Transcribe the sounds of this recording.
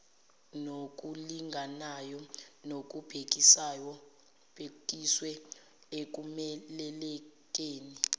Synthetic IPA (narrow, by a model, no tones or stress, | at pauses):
nok̬ʼuliŋɡʱanajɔnok̬ʼub̥ʱek̬ʼisajɔ | b̥ʱekʼiswɛ | ek̬umɛlɛlɛk̬ʼeːni